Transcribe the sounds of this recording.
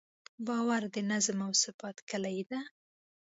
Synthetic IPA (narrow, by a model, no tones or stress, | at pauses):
bɑwaɾd̪ənazmawsɪbɑt̪kəlajd̪a